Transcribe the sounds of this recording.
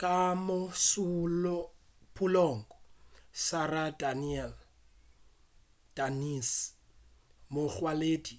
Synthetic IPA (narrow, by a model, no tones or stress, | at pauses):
kʼamosu | pʰʼulɔːŋkʼɔsaradaniɛl | d̥anis | moχwaleːdi